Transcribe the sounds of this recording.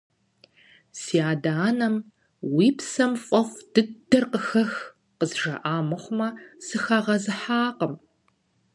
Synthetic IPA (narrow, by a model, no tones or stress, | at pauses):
siaːdaːnɐm | wiːpsɐmfʼɐχʷd̥ɨdɐrqəxɐx | qəzʒɐ̰ʔaːmɨχʷʊmɐsɨxɐʁɐzɨħaːqəm